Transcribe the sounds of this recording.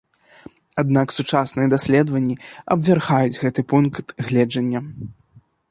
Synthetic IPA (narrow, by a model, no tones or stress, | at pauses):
ad̪̚naksut͡ʂasnɨjɐd̪asʲlʲɛd̪vɐnʲːiɐ̰bvʲarɣajud͡zʲɣɛt̪ɨpunkt̪ɣlʲɛd͡ʐɐnʲːɐ